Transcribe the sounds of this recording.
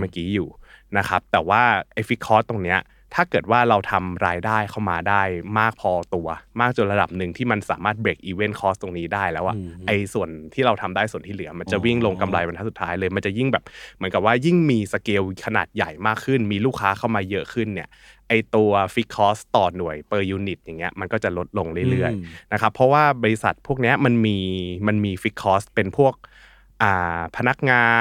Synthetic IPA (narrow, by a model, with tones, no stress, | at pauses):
maː˥˩kiː˨˦˥juː˨˩na˦˥kʰa˦˥p̚t̪ɛː˨˩waː˥˩ʔa˧jfi˦˥t̪̚kʰɔː˦˥st̪ːo˧ŋni˦˥ɐ | t̪ʰaː˥˩kɤː˨˩t̪̚waː˥˩ɾa˧wt̪ʰa˧mɾaː˧jdaː˥˩jkʰa˥˩wmaː˧daː˥˩jmaː˥˩k̚pʰɔː˧t̪u˧ɐmaː˥˩k̚t͡ɕo˨˧˩ɾa˧da˨˩p̚nɯ˨˩ŋt̪ʰiː˥˩ma˧nsaː˩˦maː˥˩t̪̚bɾeː˨˩k̚ʔiː˧we˥˩nkʰɔː˦˥st̪o˧ŋniː˦˥daː˥˩jlɛː˦˥wʔa˨˩ʔʔa˧jsu˨˩ənt̪ʰiː˥˩ɾa˧wt̪ʰa˧mdaː˥˩jsu˨˩ənt̪ʰiː˥˩lɯ˨˩˦ɐ˦ma˧nt͡ɕa˨˩wi˥˩ŋlo˧ŋka˧mla˧jwa˧ntʰaː˦˥su˨˩t̪ʰːaː˦˥jlɤː˧jma˧nt͡ɕa˨˩ji˥˩ŋbɛː˨˩p̚mɯ˩˦nka˨˩p̚waː˥˩ji˥˩ŋmiː˧sa˧keː˧wkʰa˧na̰ː˨˩t̪̚ja˨˩jmaː˥˩kʰːɯ˥˩nmiː˧luː˥˩kʰːaː˦˥kʰa˥˩wmaː˧jɤ˦˥ʔkʰɯ˥˩nːi˥˩ɐ | ʔa˧jt̪u˧ɐfi˦˥kʰɔː˦˥st̪ɔː˨˩nu˨˩əjpɤː˧juː˧ni˨˩t̪̚ja˨˩ŋːi˦˥ɐma˧nkɔː˥˩t͡ɕa˨˩lo˦˥t̪̚lo˧ŋɾɯ˥˩jlɯ˥˩əjna˦˥kʰa˦˥pʰːɔ˦˥waː˥˩bɔː˧ɾi˧sa̰˨˩t̪̚pʰu˥˩ək̚ni˦˥ɐma˧nmiː˧ma˧nmiː˧fi˦˥t̪̚kʰːɔː˦˥spe˧npʰu˥˩ək̚ | ʔaː˨˩pʰa˧na˦˥k̚ŋaː˧